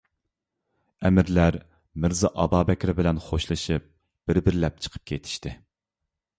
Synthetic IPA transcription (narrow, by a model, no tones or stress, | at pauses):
ɛmɪɾlæɾ | mɪɾzɨʔɑbɑːbɛkʲɾɪbɪlɛnχoʃlˠɨʃɨp̚ | b̥ɪɾbɪɾɪlɛp̚t͡ʃʰə̥qʰə̥p̚kʲʰejt̪ʰi̥ʃt̪ɪ